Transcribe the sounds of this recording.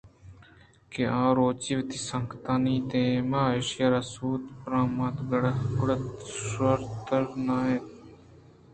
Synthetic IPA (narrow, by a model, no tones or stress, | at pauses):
keãːɾoːt͡ʃiʋt̪isəŋkʰt̪aːnĩːt̪ẽːmaːɪʃjaɾaːsuːt̪pɾãːmat̪ɡɽɡʊɽt̪swɐɾt̪əɾnãːeːt̪